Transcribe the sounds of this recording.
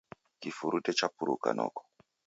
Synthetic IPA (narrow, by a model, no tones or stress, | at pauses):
kifuɾutɛt͡ʃapuɾṵka̰nɔ̰kɔ̥